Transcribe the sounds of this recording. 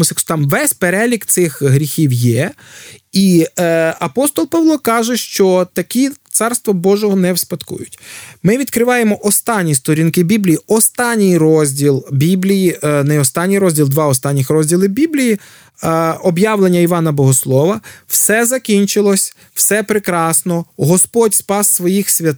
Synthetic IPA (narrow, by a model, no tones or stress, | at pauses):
ʊsʲt̪ɑmʋɛsʲpeɾɛlʲikt̪sɪxɦɾʲixʲiwjɛ | i | ɐpɔst̪ɔlˠpɑʋlˠɔkɑʒɛʃt͡ʃɔt̪ɐkʲit̪sɑrst̪ʋɔbɔʒɔɦɔnɛwspɐt̪kṵjʊtʲmɪʋʲid̪kɾɪʋɑjemɔʔɔst̪ɑnʲːist̪ɔɾʲinkɪbʲiblʲijiɔst̪ɑnʲːijrɔzʲdʲilˠbʲiblʲijinɛɔst̪ɑnʲːijɾɔzʲdʲilˠd̪ʋɑɔst̪ɑnʲːixɾɔzʲdʲilˠɪbʲiblʲiji | ɔbjɑʋlˠenʲːɐiʋɑnɐbɔɦɔslˠɔʋɐwsɛzɐkʲinʲt͡ʃɪlˠɔsʲ | w̥sɛpɾekɾɑsnɔɦɔspɔtʲspɑsːʋɔjixsʲʋʲɐt̪